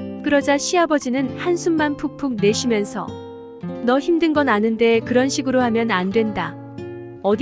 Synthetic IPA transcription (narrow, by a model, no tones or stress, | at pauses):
k͈ɯɾʌd͡ʑaɕʰiabʌd͡ʑinɯnhansʰumːanpʰuk̚pʰuk̚ne̞ɕʰimjʌnsʰʌ̰ | nʌçimdɯnɡʌnanɯnde̞kɯɾʌnɕʰiɡɯɾohamjʌnandwe̞nda | ʌd